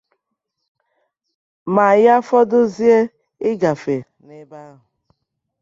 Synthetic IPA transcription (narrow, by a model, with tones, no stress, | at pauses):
ma˨ja˦fɔ˦dʊ˦zi˦e˦ | ɪ˦ɡa˨fe˨ | ne˦ba˦ɦʊ˨